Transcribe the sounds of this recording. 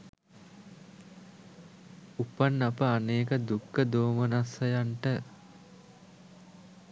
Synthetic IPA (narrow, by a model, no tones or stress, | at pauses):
upanːapəaneːkəd̪ukːəd̪oːmənasɐjaɳʈə